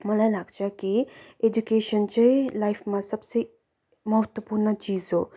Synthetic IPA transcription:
mɐlajlaɡd͡ʒakied͡ʒukeːʃənt͡ʃɐilajpʰmãsɐbse | mɐɦət̪wəpuːɾnət͡ʃiːzoː

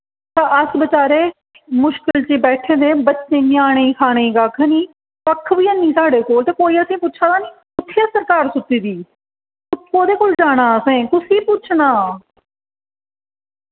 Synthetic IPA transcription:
t̪ãːəsbət͡ʃaːɾeː | mʊʃkɪlt͡ʃiːbɛːʈʰẽːd̪eːbətːt͡ʃʃeːnɪjaːɽ̃eiːkʰaːɽ̃eiːɡaːkʰniː | pəkʰːʋiːənːiːsaːɽeːkoːlt̪eːkoːiːəsĩːpʊːt͡ʃʰãːd̪aːniː | ʊt̪ʰːeːsəɾkaːɾsʊt̪ːiːd̪iː | ʊkoːd̪eːkoːld͡ʒaːɽ̃aːəsẽːkʊsiːpʊt͡ʃʰnaː

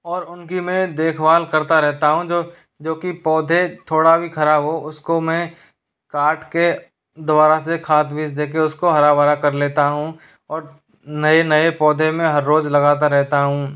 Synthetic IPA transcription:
ɔːɾʊnkimẽd̪eːkʰbaːlkɐɾt̪aɾɛɦt̪aɦũd͡ʒoː | d͡ʒoːkipɔːd̪ʱet̪ʰoːɽabʱikʰɐɾabɦoʊskomɛ̃ː | kaːʈke | d̪ʊbaːɾasekʰaːt̪bʱisd̪eːk̬eʊskoɦɐɾabaːɾakɐɾleːt̪aɦũ | ɔːɾ | nɐenɐepɔːd̪ʱemẽɦɐɾːoːd͡ʒlɐɡaːt̪aɾɛɦt̪aɦũː

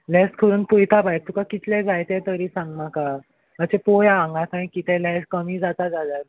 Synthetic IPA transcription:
lɛskʰəɾuːnpujt̪ʰabajt̪ukakit̪ʰlɛ̃d͡zajt̪et̪əɾiːsãŋɡmaka | mət͡ɕepojaãŋɡãt̪aĩkit̪ɛ̃lɛskəmiːd͡zat̪ad͡zad̪aɾ

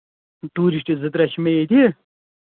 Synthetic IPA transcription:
t̪uːɾiɕʈ̪ezɨd̪ɾɐɕmeed̪i

